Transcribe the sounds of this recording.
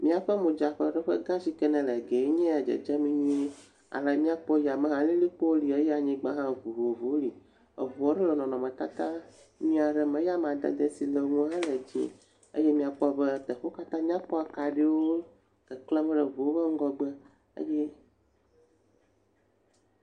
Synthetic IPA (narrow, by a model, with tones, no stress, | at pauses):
mĩ˦a˨ɸə˦mũ˨d͡ʒa˨ɸə̰˦ɖə˦ɸə̰˦ɡã˦zi˦kɛ˦nɛ̃˨lɛ˨ɡɛ˨˦ɲɛ̃˦a˨d͡ʒə̰˨d͡ʒɛ˦mĩ˦ɲĩ˦ | a̰˨lɛ˨mĩ˦a˦k͡pɔ˦ja˨mɛ̃˦ɦã˨lĩ˦li˦k͡po˦li˨e˦jɛ˦a˨ɲĩ˦ɡ͡bã˦ɦã˦vu˨vo˨vo˨˦li˨ | ə̰˨vu˨ɔ˦ɖɛ˦lɔ˨nɔ̃˨nɔ̃˨mɛ̃˨t̪a˦t̪a˦ | mĩ˦a˨ɖɛ˦mɛ̃˨˦ja˦mã˨d̪a̰˨d̪ə˦si˨lə˨ŋũ˦ã˦lɛ˨d͡ʑḭ̃˦ | ə̰˦jɛ˦mĩ˦a˨k͡pɔ˦bə˦t̪ə˨ɸo˦ka˦t̪ã˦mĩ˦a˦k͡pɔ˦a˨ka˨ɖe˦wo˦ | kɛ˨klɛ˦mɛ̃˦ɖə˨vu˨o˦bə˦ŋ̩˦ɡɔ˦ɡ͡bə˦ | ə̰˦jɛ˦